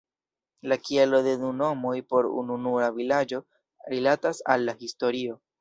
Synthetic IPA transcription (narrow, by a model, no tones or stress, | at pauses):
lakielo̞de̞nuno̞mojpo̞ɾṵnunuavilad͡ʒo̞ | ɾilatasa̰lːahisto̞ɾio̞